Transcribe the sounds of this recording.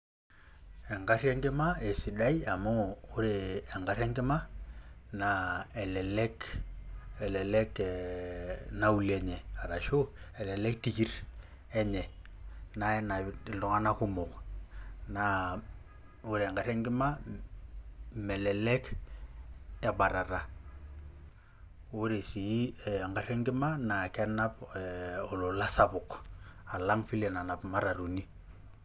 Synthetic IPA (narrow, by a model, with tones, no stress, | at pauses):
ɛ˨ŋɡa˦rjɛ˦ŋɡɪ˦ma˦e˨si˨da˦i˦a˨mɔː˦ɾeː˨ŋɡa˨˦ɾɛ˦ŋɡɪ˦ma˦ | na˨ɛ˨lɛ˨lɛ˦k | ɛ˨lɛ˨lɛ˦k | na˦u˦˨lɛ˦ɲɛ˨a˨ɾa˨ʃo˦ɛ˨lɛ˨lɛ˦k̚ti˨ki˦ɾ | ɛ˦ɲɛ˨ | na˦ɛ˦na˨˦˨dɔ˨˦ŋa˦na˦kʊ˦mɔ˨k | na˦ | ʊ˦ɾe˨ŋɡa˨ɾɛ˦ŋɡɪ˦ma˦ | mɛ˨lɛ˨lɛ˦k | ɛ˦ba˨ɾa˨ɾa˨ | wʊ˦ɾe˨si˨˦ɛ˨ŋɡa˨˦ɾɛ˦ŋɡɪ˦ma˦na˨kɛ˦na˦p | ɔ˨lo˨la˦sa˦bʊ˨ka˨la˦ŋfi˦lɛ˨na˨na˨pma˦ɾa˨ɾu˨ni˦